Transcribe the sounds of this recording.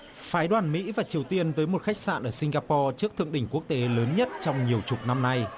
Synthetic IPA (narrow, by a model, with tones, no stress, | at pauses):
faː˨˦jɗwaː˨˩nmḭ˧˥vaː˨˩t͡ɕi˨˩əwt̪i˧ənt̪əː˨˦jmo˨˩t̚xa˦˥jk̟̚sa̰ː˧˨nʔəː˧˩sï˧ŋ̟ɣaː˧pɔ˧t͡ɕɨ˦˥ək̚t̪ɨ̰˧əŋɗï˧˩ŋ̟ku˦˥ək̚t̪e˨˦ləː˨˦nɲə˦˥t̚t͡ɕɔ˧wŋ͡mɲi˨˩əwt͡ɕʊ˨˩t̚na˧mna˧j